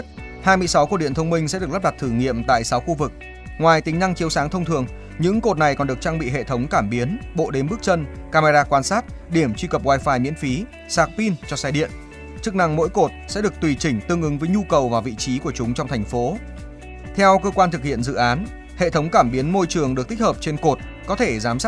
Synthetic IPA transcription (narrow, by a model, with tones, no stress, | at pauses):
t̚ | haː˧jmɨ˧əjsa˨˦wku˧˩ɗḭ˧˨ənt̪ʰə˧wŋ͡mmï˧ŋ̟sɛ̰˧˥ɨ˨˩k̚lp̚ɗa˨˩t̚t̪ʰɨ˧˩ŋḭ˧˨əmt̪a̰ː˧˨jsa˨˦wxu˧vɨ˨˩k̚ | ŋwaː˨˩jt̪ï˨˦ŋ̟na˧ŋt͡ɕi˨˦əwsaː˨˦ŋt̪ʰə˧wŋ͡mt̪ʰɨ˨˩əŋ | ɲɨ̰˧˥ŋko˨˩t̚na˨˩jkɔ˨˩nɗək̚t͡ɕaː˧ŋɓḭ˧˨ɦḛ˧˨t̪ʰə˨˦wŋ͡mkaː˧˩mɓi˨˦ənɓo̰˧˨ɗe˨˦nɓɨ˦˥k̚t͡ɕə˧nkaː˧maː˧zaː˧kwaː˧nsaː˦˥t̚ɗi˧˩əmt͡ɕwi˧kə˨˩p̚ɣwaː˧jfaː˧˩jmḭ˧˥ənfi˨˦ | saː˨˩k̚pi˧nt͡ɕɔ˧saː˧jɗḭ˧˨ən | t͡ɕɨ˦˥k̚na˧ŋmo̰˧˥jko˨˩t̚sɛ̰˧˥ɗɨ˨˩ək̚t̪wi˨˩t͡ɕï˧˩ŋ̟t̪ɨ˧əŋʔɨ˨˦ŋvəː˨˦jɲu˧kə˨˩wvaː˨˩vḭ˧˨t͡ɕi˨˦ku˧˩ət͡ɕʊ˨˦ŋ͡mt͡ɕɔ˧wŋ͡mt̪ʰɛ˨˩jŋ̟fo˨˦ | t̪ʰɛ˧wkəː˧kwaː˧nt̪ʰɨ˨˩k̚hḭ˧˨ənzɨ̰˧˨ʔaː˨˦n | hḛ˧˨t̪ʰə˨˦wŋ͡mkaː˧˩mɓi˨˦ənmo˧jt͡ɕɨ˨˩əŋɗɨ˨˩k̚t̪i˦˥k̚həː˨˩p̚t͡ɕe˧nko˨˩t̚ | kɔ˨˦t̪ʰe˧˩zaː˨˦msa˦˥